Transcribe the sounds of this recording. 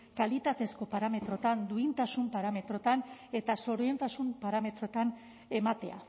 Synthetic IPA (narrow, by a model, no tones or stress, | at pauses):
kalit̪at̪e̞sko̞paɾame̞t̪ɾo̞t̪and̪uint̪asumpaɾame̞t̪ɾo̞t̪ane̞t̪aso̞ɾoent̪asumpaɾame̞t̪ɾo̞t̪an | e̞mat̪e̞̰a̰